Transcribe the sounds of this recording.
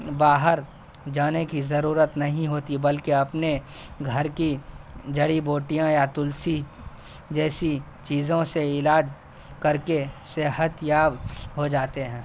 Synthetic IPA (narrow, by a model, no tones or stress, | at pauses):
baːɦəɾ | d͡ʒaːnekizɐɾuːɾət̪nɐɦĩɦoːt̪ibɐlkeɐpneɡʱɐɾkid͡ʒɐɽiboːʈijãjat̪ʊlsi | d͡ʒɛːsi | t͡ʃiːzõseɪlaːd͡ʒ | kɐɾkeseɦət̪jaːbɦod͡ʒaːt̪eɦɛ̃ː